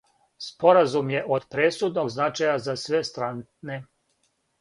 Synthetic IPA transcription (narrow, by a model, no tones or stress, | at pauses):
spo̞ɾazumje̞ʔod̪pɾesud̪no̞ɡznat͡ʃajazasʋe̞st̪ɾanne